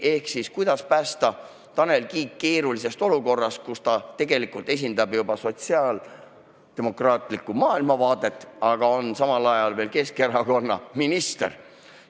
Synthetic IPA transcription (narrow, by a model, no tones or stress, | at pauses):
e̞hksiskujd̪̥ɑspæːst̪ɑ | t̪ɑne̞lkiːkke̞ːɾulis̬e̞st̪o̞luko̞rːɑst̪̚kust̪ɑt̪e̞ɡe̞likˑult̪e̞s̬ʲind̪ɑbjubɑso̞t̪siɑːl | d̪t̪e̞mo̞krɑːt̪ˑlikːˑumɑːilmɑvɑːt̪e̞t̪ːˑɑɡ̥ɑo̞nsɑmɑlɑjɑlve̞ːlke̞ske̞ɾɑko̞nːɑ̰minist̪eɾ